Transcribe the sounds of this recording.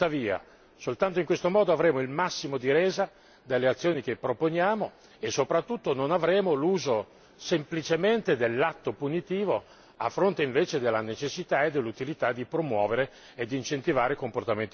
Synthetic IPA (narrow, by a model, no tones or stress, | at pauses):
aviːa̰ | solt̪ant̪̬oiŋkwest̪omɔːd̪oavɾeːmoilmasːimod̪iɾeːza | d̪elːeat̪sːjoːnik̟epːɾoponjaːmo | esːopɾat̪ːut̪ːononavɾeːmoluːzo | semplit͡ʃement̪ed̪elːat̪ːopunit̪iːvo | afːɾont̪eiɱveːt͡ʃed̪elːanet͡ʃesːit̪aed̪elːut̪ilit̪ad̪ipɾomwɔːveɾe | ed̪ːiːnt͡ʃent̪ivaːɾekomport̪ament̪i